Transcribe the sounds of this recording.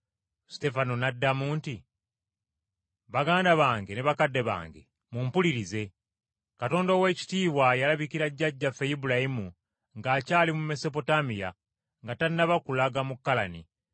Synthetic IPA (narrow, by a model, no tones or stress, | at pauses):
ste̞fanonadːamuːnti | βaɡaːndaβaːŋɡeneβakadːe̞βa̰ːŋɡe̞̰ | muːmpuliɾize̞ | kato̞ːndowe̞ːci̥tiːβwajalaβikiɾaɟːaɟːafejibulajimu | ŋɡaːcaːlimume̞so̞p̬o̞tamija | ŋɡataɾinaβakulaɡamukːalani